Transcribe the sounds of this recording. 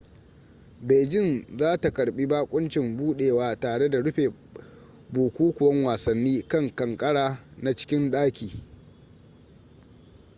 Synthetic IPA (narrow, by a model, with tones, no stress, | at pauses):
beː˨d͡ʒɪ˦nzaː˦ta˨kɐ˨ɽɓi˦baː˦kʷʼʊ˦nt͡ʃɪ˨mbuː˦ɗeː˨waː˦taː˨ɽe˦da˨ɽʊ˦ɸeː˨ | buː˨kʷuː˦kʷʊ˨wɐ˦ŋwaː˨sɐ˨nːiː˦kɐ˦ŋkɐ˨ŋkʼɐ˦ɽaː˨ | na˨t͡ʃɪ̥˦kʲɪ˦nɗaː˦kʲiː˨